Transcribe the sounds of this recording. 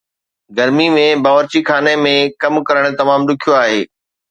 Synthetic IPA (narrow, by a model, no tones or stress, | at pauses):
ɡɐɾmimẽbaːʋəɾt͡ɕikʰaːnemẽkɐmkɐɾəɽ̃t̪ɐmaːmɗʊkʰijoaːɦḛː